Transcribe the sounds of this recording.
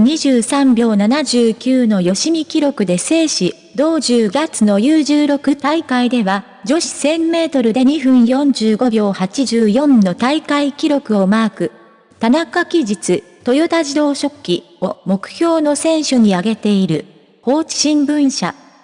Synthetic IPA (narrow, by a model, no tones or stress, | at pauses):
ɲ̟iʑɨːsãmbʲo̞ːnanaʑɨːkʲɨːno̞jo̞ɕimʲikʲiɾo̞kɯ̟d̪e̞se̞ːɕi | d̪o̞ːʑɨːɡat͡sɨno̞jɯːʑɨːɾo̞kɯ̟t̪aikaid̪e̞βa | d͡ʑo̞ɕi̥sẽ̞mːe̞ːt̪o̞ɾɯ̟d̪e̞ɲ̟iɸɯ̟̃ɰ̃jõ̞ɲ̟d͡ʑɨːɡo̞bʲjo̞ːhat͡ɕiʑɨːjõ̞nːo̞t̪aikaikʲiɾo̞kɯ̟o̞maːkɯ̟ | t̪anakakʲiʑit͡sɨ | t̪o̞jot̪aʑid̪o̞ːɕo̞kʲːḭ | o̞mo̞kɯ̟̥çʲo̞ːno̞sẽ̞ɰ̃ɕɨɲ̟iaɡe̞t̪e̞iɾɯ̟ | ho̞ːt͡ɕi̥ɕĩmbɯ̟̃ɰ̃ɕa̰